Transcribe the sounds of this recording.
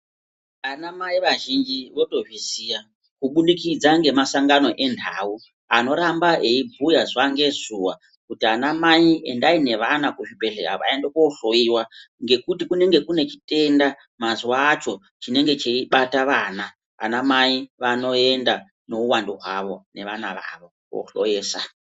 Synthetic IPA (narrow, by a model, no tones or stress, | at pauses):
anamaiʋaʒind͡ʒiʋo̞to̞ʐwisija | kuɓunikid͡zaŋɡemasaŋɡano̞ʔe̞ndʱa̰u | ano̞ɾambaʔeibʱujazʋaŋɡe̞zuwa | kutianamaiḛndaine̞ʋanakuʐibʱe̞ɬe̞̰ka̰ʋa̰endekoɬo̞iwa | ŋɡe̞kutikune̞ŋɡe̞kune̞t͡ʃi̥te̞nda | maziwaːt͡ʃo̞ | t͡ʃine̞ŋɡe̞t͡ʃeiɓataʋaːna̰ː | namaiʋano̞e̞nda | no̞uwandoɦwaʋo̞ne̞ʋanaʋa̰ʋo̞ | ko̰ɬo̰jeːsa